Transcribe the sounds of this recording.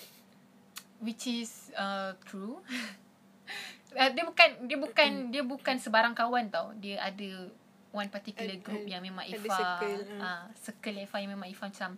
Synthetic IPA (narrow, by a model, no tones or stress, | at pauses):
wit͡ʃisət̪ʰɾu | ədəbukandiəbukandiəbukansəbaɾaŋkawant̪awdiəʔadə | wanpat̪ikuləɡɾup̚jaŋmẽmãŋʔifaəsəkəlaifajãŋmẽmãŋifamat͡ʃam